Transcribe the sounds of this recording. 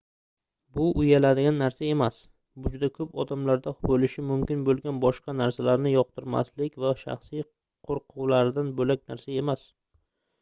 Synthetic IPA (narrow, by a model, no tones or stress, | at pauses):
bʊʔʊjalad̪ɪɡʲanːaɾsae̞mas | bʊd͡ʒʊd̪akʰɵpɒd̪amlaɾd̪abolɪʃɪmʊmkʲɪnbolˠɡʲanbɒʃqɑnaɾsalaɾnɪjɒq̚t̪ʰɪɾma̰slɪkʲvaʃa̰χsij | qʰoɾqʰʊwlaɾɪd̪anbolak̚ʲnaɾsae̞mas